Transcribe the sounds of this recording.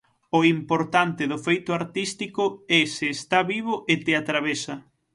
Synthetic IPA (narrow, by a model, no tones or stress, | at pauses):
ʊimpoɾt̪ant̪ɪðʊfejt̪ʊaɾt̪ist̪ikʊɛseːst̪aβiβʊʔet̪eat̪ɾaβesɐ